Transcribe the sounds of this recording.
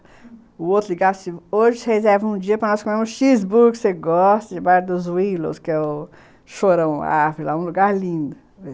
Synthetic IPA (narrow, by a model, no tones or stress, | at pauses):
ʊowt̪ɾʊliɡadsɪoʒɪsɪhezɛɾvɐ̃ũd͡ʒiɐpɾɐnɔskomẽmʊsʃizbuɾkseɡɔst̪ɐd͡ʒɪbaɾɐd̪ʊzwilo̰skɪɛʊ | ʃoɾɐ̃w̃aɾvʊɾɪlaũluɡaɾlĩd̪ʊ